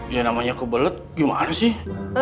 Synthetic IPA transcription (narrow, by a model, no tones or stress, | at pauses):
janamaɲakəbələt̪̚ɡima̰nasɪh